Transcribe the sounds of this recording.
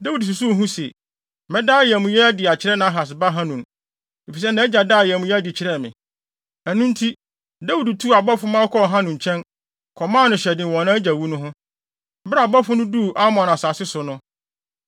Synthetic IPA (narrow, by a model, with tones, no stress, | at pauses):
da˦wu˨ds̬u˨s̬u˦˨ɦũ˦sḛ˨ | mɛ̃˦daː˦˨jɛ˨mʊ̃˨jɛ˦dɪ˨a˨t͡ɕʰɪ˨ɾɛ˦nã˨a˦ɦa˨s̬ba˦ɦã˦nũ˨n | e˨fi˨s̬ɛ˦nã˦d͡ʑa˨daː˦˨jmʊ̃˨˦jɛ˦æ˦dɪ˨t͡ɕʰɪ˨ɾɛ˦˨mɪ̰̃˨ | æ˨nũ˦n˦tʰi˦ | da˦wu˨du˨tʰu˦a˨bɔ˦fʊ˦mã˦ɔ˦kʰɔ˦˨ɦã˦nʊ̃˨ɲ˨t͡ɕʰɛ̃˦n | kʰɔ˨mã˦nʊ̃˨ɕɛ˨dɪ̃˨wɔ̃˨nã˦d͡ʑa˨wu˦nʊ̃˦ɦʊ̃˦ | bɾa˨bɔ˦fʊ˦nʊ̃˦du˦˨ʔa˦mɔ̃˨nã˨saː˨sɪ˦sʊ˨nʊ̃˦